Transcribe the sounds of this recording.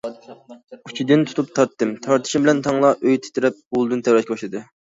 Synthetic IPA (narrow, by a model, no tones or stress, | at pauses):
ut͡ʃʰid̪ɨnt̪ʰu̥t̪ʰup̚t̪ʰɑɾt̪ːɨmt̪ʰɑɾt̪ʰɨ̥ʃimbɪlɛnt̪ʰɑŋlˠɑʔøjt̪ʰɪ̥t̪ɪɾɛp̚ulˠd̪ɨnt̪ʰɛwɾɛt̪kʲibɑʃlˠɨd̪ɨ